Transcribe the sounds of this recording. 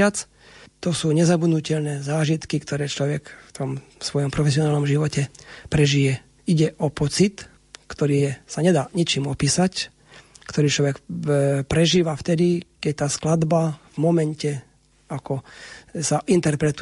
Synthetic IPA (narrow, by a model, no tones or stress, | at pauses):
at͡s | t̪ɔsuːɲɛzabud̪nucɛʎnɛːzaːʒit̪kikt̪ɔɾɛːt͡ʃlɔʋɛkft̪ɔmsʋɔjɔmpɾɔfɛsiɔnaːlnɔmʒiʋɔcɛpɾɛʒijɛ | iɟɛʔɔpɔt͡sit̪ | kt̪ɔɾiːsaɲɛd̪aːɲit͡ʃiːmɔpiːsac | kt̪ɔɾiːt͡ʃlɔʋɛkpɾɛʒiːʋaft̪ɛd̪ikɛc̚t̪aːsklad̪bavmɔmɛncɛ | akɔsaʔint̪ɛɾpɾɛt̪